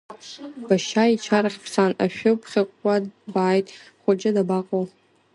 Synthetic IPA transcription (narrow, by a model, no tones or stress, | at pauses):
b̥aʃait͡ʃʰaraχʲpʰsanaʃᶣʊpʰχʲɪqʷʼːadbaːjtʼχʷad͡ʒʼadabaqʼow